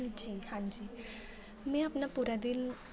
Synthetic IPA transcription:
nd͡ʑihãɲd͡ʑi | mɛ̃apnapuɾad̪in

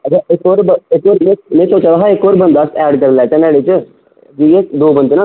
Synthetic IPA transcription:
ət͡ʃaːɪkoːɾbɪkːoːɾmẽːmẽːsoːt͡ʃaːʋaɦaɪkːoːɾbə̃nd̪aːsɛːɖk̬əɾlɛːt͡ʃɛ̃ːnɛːɽet͡ʃ | d͡ʒiːed̪oːbənd̪nãː

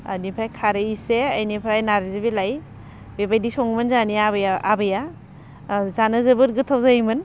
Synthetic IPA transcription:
a̰nipʰɾajkʰaɾɯiseajnipʰɾajnaɾizebilaj | bebajdisɔŋmɯnzaniabjaabɯja | zanɯzɯbɯɾɡɯtʰawzajmɯn

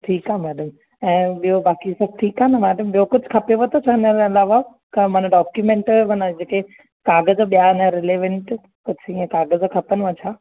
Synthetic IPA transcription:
ʈʰiːkaːmɛːɖəm | ɛ̃ːɓijobaːkisɐb̚ʈʰiːkaːnɐmɛːɖəmɓijokʊd͡ʑʱkʰɐpeʋɐt̪ʰot͡ɕʰanəɾẽɪlaːʋa | kɐmɐnɖɔːkjumẽːɳʈmɐnəd͡ʑeːke | kaːɡəzɓijaɪnɐɾeleːʋɛ̃ɳʈ | kʊd͡ʑʱʰiẽkaːɡəzkʰɐpənʋɐt͡ɕʰaː

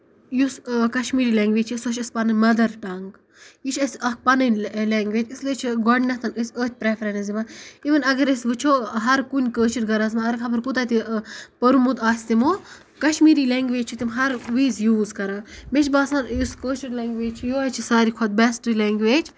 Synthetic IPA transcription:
juskɐʃmiːɾiːlɛːŋɡʋeːd͡ʒt͡ʃʰːsɐʃʲɐspɐnɐnʲmɐd̪ɐɾʈɐŋɡ | jit͡ʃʰɐsʲɐk̚pɐnɐnʲlɛːŋɡʋeːd͡ʒʲisliːt͡ʃʰiɡɔɖnɐt̪ʰɐnəsʲəːt̪̚ʰʲpɾefʰɾɐnzimaiʋɨnɐɡɐɾisʋɨt͡ʃʰoːɦɐɾkunʲkəːt͡ʃɐɾɡɐɾɐz̬maɐɾɐkʰapʰɐɾput̪at̪ipɐɾumud̪aːsʲt̪imoː | kɐʃmiːɾiːlɛːŋɡʋeːd͡ʒt͡ʃʰit̪imɦɐɾʋiːzjuːzkɐɾaːmet͡ʃʰbaːsaːnjuskəːt͡ʃɐɾleːŋɡʋeːd͡ʒt͡ʃʰijoɐt͡ʃʰisaːɾikʰɐt̪̚bɛsʈilɛːŋɡʋeːd͡ʒ

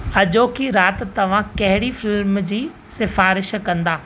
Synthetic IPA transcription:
ɐʄoːkʰiɾaːt̪t̪ɐʋ̤ãkɐɦɪɽifɪlmd͡ʑiː | sɪfaːɾɪʃkɐ̃nd̪aː

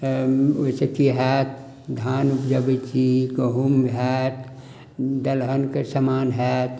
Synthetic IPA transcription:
oisekiɦɛt̪ | d̪ʱaːnupd͡ʒəbət͡ʃikəɦumɦɛt̪ | d̪ɐlɦənkesɐmaːnɦɛt̪

